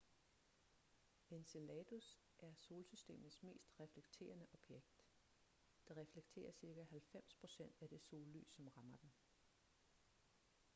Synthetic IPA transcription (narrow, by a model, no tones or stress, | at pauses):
e̝nselɛt͡sus | ʔæɐso̝ːlsysd̥e̝̰ːmð̩ˠsme̝̰ːsd̥ʁɛfleɡ̥t͡sʰe̝̰ːɐnəʔɒ̽b̥jeɡ̥d̥ː | eʁɛfleɡ̥̚t͡sʰe̝̰ːɐsiɐɡ̥æhælfem̰spʰʁo̝sen̰d̥æd̥e̝so̝ːlːy̰ːsɒ̽mʁɑ̈mɐd̥en